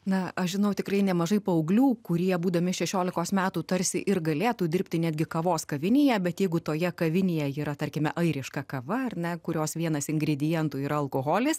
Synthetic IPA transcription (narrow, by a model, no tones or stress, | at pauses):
nɐɐʃʒʲɪnɐʊt̪ʲɪkrɐɪnʲɛmɐʒɐɪpɐɔʊɡlʲuːkʊɾʲiɛbuːd̪ɐmʲɪʃʲɛʃʲoːlʲɪkoːsmʲæːt̪uːt̪ɐɾʲsʲɪʔɪrɡɐlʲeːt̪uːd̪ʲɪɾʲpʲt̪ʲɪnʲæːd̪ʲɡʲɪkɐʋoːskɐʋʲɪnʲejɛbʲɛt̪jɛɪɡʊt̪oːjɛkɐʋʲɪnʲejɛiːɾɐt̪ɐrʲkʲɪmʲɛʔɐɪɾʲɪʃkɐkɐʋɐɐrnʲɛkʊɾʲoːsʋʲiɛnɐsɪŋɡɾʲɪd̪ʲɪjɛnt̪uːiːɾɐɐlˠkoːɣoːlʲɪs